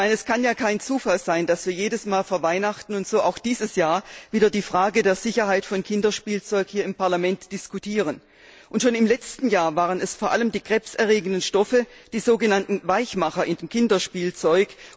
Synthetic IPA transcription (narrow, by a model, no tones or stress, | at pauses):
maɪnɛskʰanjaːkʰaɪnt͡suːfalzaɪnd̥asv̥iːɐjeːdəsmaːlfoːɐvaɪnaχtn̩ʊntz̥oːʔaʊxd̥iːzəsjaːɐviːdɐdiːfʁ̥aːɡədeːɐz̥ɪçɐhaɪtfɔnkʰɪndɐʃpiːlt͡sɔʏkhiːɐɪmpʰaɐlamɛntd̥ɪskutʰiːʁ̞ən | ʔʊntʃoːnɪmlɛt͡stn̩jaːɐvaːʁ̞ənɛsfoːɐʔaləmdiːɡ̥ʁ̥ɛpsɛɐʁeːɡən̩dənʃtɔfəd̥iːzoːɡənantn̩vaɪçmaχɐʔɪndeːmkʰɪndɐʃpiːlt͡sɔʏk